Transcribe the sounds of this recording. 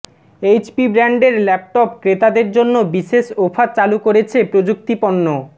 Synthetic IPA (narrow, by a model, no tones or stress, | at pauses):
ejt͡ɕpibɾɛɳɖeɾlɛp̚ʈɔp̚kɾet̪ad̪eɾd͡ʑonːobiʃeʃofʰat͡ɕalukoɾet͡ɕʰepɾod͡ʑuk̚t̪ipoɳːo